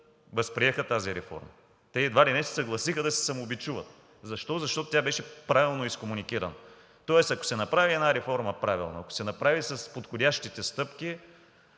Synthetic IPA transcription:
vɐspɾiɛxət̪aziɾɛfɔ̰ɾmɐ̰ | t̪ɛid̪valinɛst̪ɛ̥sɐɡlˠɐsixəd̪ɐsɛ̥sɐmoːbit͡ʃuvət̪ | zɐʃt̪ɔzɐʃt̪ɔt̪ʊt̪ʲjabɛʃɛpɾavilˠnoiskomunik̟iɾɐ̰nɐ | t̪ɔɛsɐko̥sɛnɐpɾaviɛdnaɾɛfɔɾməpɾavilˠnoɐko̥sɛnɐpɾavisɐspot̪xodʲaʃt̪it̪ɛst̪ɤpki

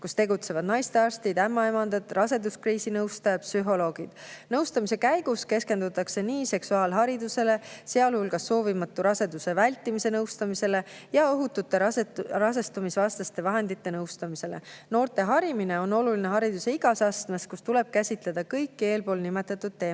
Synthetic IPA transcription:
kust̪e̞ɡut̪se̞vɑd̪̥nɑjst̪eɑɾrst̪id̪̥æmːɑe̞mɑnd̪̥ɑt̪ˑrɑse̞d̪uskriːsinɤwst̪ɑjɑpsyɦo̞lo̞ːɡ̥id̪̥nɤwst̪ɑmise̞kæjɡ̥uske̞ske̞nd̪ut̪ːˑɑkse̞niːse̞ksuɑːlɦɑɾid̪use̞le̞se̞ɑlhulɡɑsːo̞ːvimɑt̪ːuɾɑse̞d̪use̞vælʲt̪ːˑimise̞nɤwst̪ɑmise̞le̞jɑo̞ɦut̪ːut̪ːˑe̞ɑrɑs̬e̞st̪umisvɑst̪ɑst̪e̞vɑɦe̞nd̪̥it̪ːe̞nɤwst̪ɑmise̞le̞̰no̞ːrt̪e̞ɦɑɾimine̞o̞no̞luline̞ɦɑɾid̪̥useiɡ̥ɑsɑst̪meskust̪ule̞b̥̚kæsʲit̪le̞d̪̥ɑkɤjkːie̞ːlpo̞ːlnime̞t̪ːˑɑt̪ːˑud̪̥̚t̪ːe̞ː

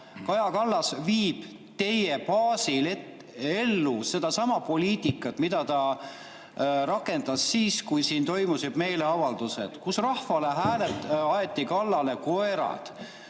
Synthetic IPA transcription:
kɑjɑkɑlːɑsviːb̥ | t̪e̞jepɑːsilet | e̞lːuse̞d̪̥ɑsɑmɑpo̞lʲiːt̪ikːˑɑt̪ˑmid̪̥ɑt̪ɑ | ɾɑkːˑe̞nd̪̥ɑsːiːskujsiːnt̪o̞jmusib̪me̞jle̞ɑvɑld̪̥use̞̰d̪̥kusrɑhvɑle̞ɦæːlet̪ːɑjet̪ːikɑlːɑle̞ko̞eɾɑ̰d̪̥

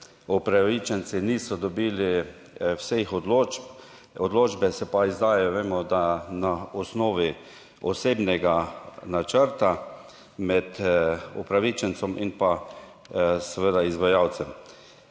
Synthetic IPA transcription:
ɔpɾaʋit͡ʃɛnt̪siniːsɔd̪ɔbiːli | wsexɔd̪loːd͡ʒp | ɔd̪loːd͡ʒbɛsɛpaizd̪aːjɛjɔʋeːmɔd̪anaɔsnoːʋi | ɔseːbnɛɡanat͡ʃəɾt̪a | mɛt̪upɾaʋit͡ʃɛnt̪sɔminpa | sɛʋed̪aizʋajaw̪t͡ssɛm

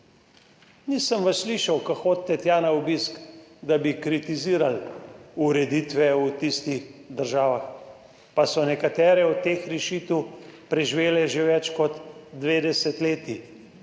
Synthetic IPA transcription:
nisəmʋassliːʃawkaxoːt̪ːɛt̪jaːnaɔbiskd̪abikɾit̪iziːɾaluɾɛd̪it̪ʋɛut̪ist̪ixd̪əɾʒaːʋax | pasɔnɛkat̪ɛːɾɛɔt̪ːeːxɾɛʃit̪wpɾɛʒiʋeːlɛʒeʋɛt͡ʃkɔt̪ːʋeːd̪ɛsɛt̪leːt̪i

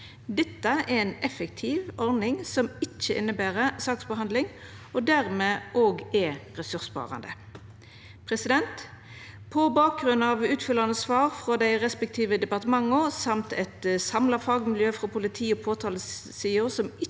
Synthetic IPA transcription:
d̪ɛt̪ːəɛɛnɛfɛk̚t̪ʰɪʋɔʁnɪŋsɔmɪt͡ʃːəʔɪ̰nːəbæːʁəsɑːksbəɦɑnd̪lɪŋ | ɔd̪æʁmeːʔoːɡɛʁɛsʉʁsbɑ̰ːʁɑ̰nd̪ə | pʰʁɛsɪd̪ɛnt̪ | pʰɔbɑːk̚ɡʁʉnɑʋʉːt̪fʏlɑnəsʋɑːʁfʁɔd̪æɪʁɛspɛk̚t̪ʰiːʋəd̪ɛpɑʁt̪əmɑŋːəʊsɑmt̪ɛt̪sɑmlɑfɑːɡmɪljøːfɾɔpʰʊlɪt̪ʰiːɔpʰoːt̪ʰɑːləssiːʊʁsɔmɪ

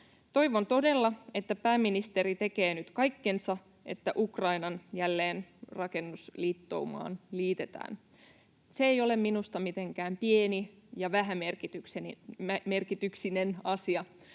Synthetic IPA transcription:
t̪o̞iʋo̞nt̪o̞de̞lːɑe̞t̪ːæpæːmːinist̪eɾit̪e̞ke̞ːnyt̪kɑjkːe̞nsɑ | e̞̰t̪ːæʔukrɑjnɑnjælːe̞ːnrɑke̞nːusliːt̪ːo̞̰umɑ̰ːnliːt̪e̞t̪æ̰ːn | seejo̞le̞mminust̪ɑmit̪e̞ŋkæːmpienijɑʋæɦæmerkit̪yks | merkit̪yksine̞nɑsiɑ

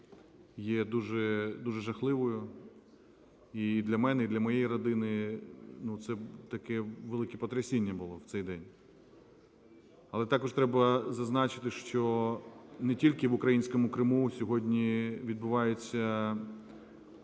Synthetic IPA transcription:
jɛd̪uʒɛd̪uʒɛʒɐxlˠɪʋɔjʊ | id̪lʲɐmɛnɛid̪lʲɐmɔjejiɾɔd̪ɪnɪnut̪sɛt̪ɐkɛʋelˠɪkɛpɔt̪ɾɐsʲinʲːɐbʊlˠɔw̥t̪sɛjd̪ɛnʲ | ɐlˠɛt̪ɑkɔʃt̪ɾɛbɐzɐznɑt͡ʃɪt̪ɪʃt͡ʃɔ | nɛtʲilʲkɪʋʊkɾɐjinʲsʲkɔmʊkɾɪmusʲɔɦɔdʲnʲiʋʲid̪̚bʊʋɑjet͡sʲːɐ

